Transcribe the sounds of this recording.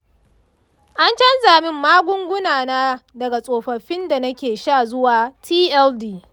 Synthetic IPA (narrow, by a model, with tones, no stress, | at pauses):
ʔa˦nt͡ʃɐ˦nzaː˨mɪ˦mːaː˦ɡʷʊ˦ŋɡʷʊ˦naː˨naː˦dɐ˨ɡa˨sʼoː˨ɸɐ˨ɸɪ˦nda˨nɐ˦kʲeː˨ʃaː˦˨zʊ˦waː˨tʰiː˦ʔɛ˦ldiː˦